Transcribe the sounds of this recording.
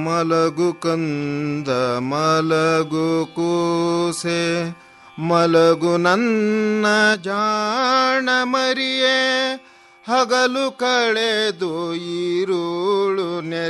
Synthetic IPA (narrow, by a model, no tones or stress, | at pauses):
mɐlɐɡukɐnd̪ɐmɐlɐɡukuse | mɐlɐɡunɐnːɐd͡ʒaː | ɳɐmɐɾije | hɐɡɐlukɐɭed̪uiɾuɭune